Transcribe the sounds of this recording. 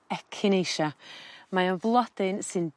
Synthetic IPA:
ɛkʰɪnejʃamaənvlˠɔd̥ɪnsɨnd

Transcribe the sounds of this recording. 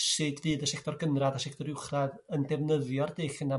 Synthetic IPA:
sɨdvɨːðəʃɛk̚ʰtʰɔrɡənraðaʃɛk̚tʰɔɾɪwχraðəndɛvnəðjɔrdeːχəna

